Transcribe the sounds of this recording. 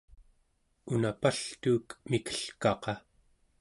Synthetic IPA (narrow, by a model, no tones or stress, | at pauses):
unapaɬt̪uːkmikə̥ɬkɑqɑ